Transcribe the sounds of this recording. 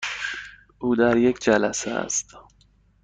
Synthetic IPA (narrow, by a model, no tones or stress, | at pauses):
ʔuːd̪æɾjekd͡ʒælæseæ̰st̪